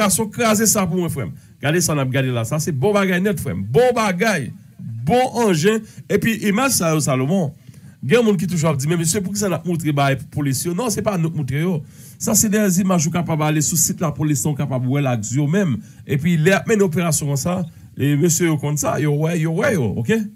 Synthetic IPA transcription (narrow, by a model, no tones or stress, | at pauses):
asjɔ̃kʁazesap̬umwɛ̃fɣɛ̰m | ɡ̥adesanap̚ɡadelasasɛbɔ̃baɡajnɛtfɣɛ̰mbɔ̃baɡaj | bɔ̃ʔɐ̃ʒɛ̃epɥiʔimaʒsajosalomɔ̃ɡɛ̃mũnk̬it̪̬uʒuap̚d͡zimɛ̃møsjøp̬uk̬is̬anap̚mũt̪̬ʁebaɡajpupolisjonɔ̃sɛpanut̚mũt̪ɣejo | sasɛdɛzimaʒjokapabalesusit̪lapolisɔ̃õkapabwɛlad͡zyjomɛ̃m | epɥilɛap̚mɛ̃neop̬eʁasjɔ̃kɔ̃sa | emøsjøjokɔ̃nsa̰jowɛjowɛjoo̰ke